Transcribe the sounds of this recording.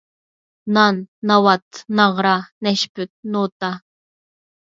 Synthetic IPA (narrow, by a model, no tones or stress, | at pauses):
nɑnːɑwɑt̪nɑʁɾɑnɛʃpyt̪̚not̪ɑ